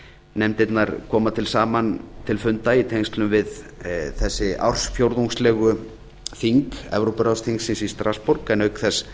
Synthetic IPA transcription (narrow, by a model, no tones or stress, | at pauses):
nɛmt̪ɪt̪naɾkʰɔːmat̪ʰɪlsaːmant̪ʰɪlfʏnt̪ait̪ʰejŋst̪lʏmvɪðθɛsːɪa̰wr̥sfjowɾðuŋslɛːɣʏ | θiŋkɛ̰vɾowpʏɾawsθiŋksɪnsist̪ɾaspɔɾkɛnœɥkθɛs